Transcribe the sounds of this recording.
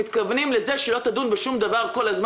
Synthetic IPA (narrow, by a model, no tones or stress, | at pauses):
it̪kavnimlɛzeʃɛlot̪ad̪unbeʃumd̪avaʁkolazm